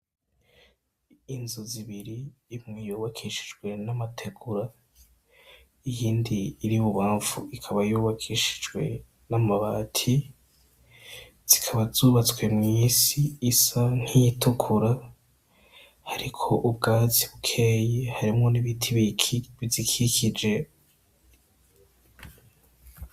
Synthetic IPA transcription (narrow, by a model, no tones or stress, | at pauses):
inzoziβiɾiimŋijuːβakʰiʃi̥d͡ʒɡwe̞namatʰe̞ɡuɾa | ijiːndiːɾiβuβaːɱvuikʰaβajuːβakʰiʃi̥d͡ʒwe̞̰ | namaβatʰi | z̥ikʰaβazuːβat͡swe̞mŋiːsiːsan̥hijitʰukʰuɾa | haɾikʰo̞ʔubɡaziβukʰejehaɾimŋo̞niβitʰiβiβizikʰikʰid͡ʒe̞